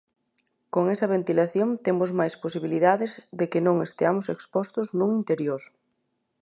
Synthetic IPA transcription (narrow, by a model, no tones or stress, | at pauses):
koŋɛsɐβ̞ent̪ilaθjoŋt̪emʊzmajsposiβiliðaðɪzðekɪnõŋest̪eamʊsekspɔst̪ʊznuŋint̪eɾjoɾ